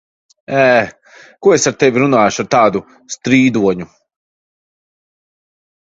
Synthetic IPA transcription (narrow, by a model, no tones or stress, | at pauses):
ɛː | kuɔesaɾt̪ɛvʲiɾunaːjuʃaɾt̪aːd̪u | st̪ɾiːd̪uɔɲu